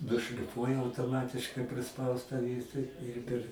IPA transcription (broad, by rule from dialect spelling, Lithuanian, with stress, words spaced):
nʊʃʲlʲɪˈfuɔjɛ ɐʊtoːˈmɑːtʲɪʃkɐɪ pʲrʲɪˈspɐʊstɑː ˈʋʲiɛtɐ ɪr pʲɛr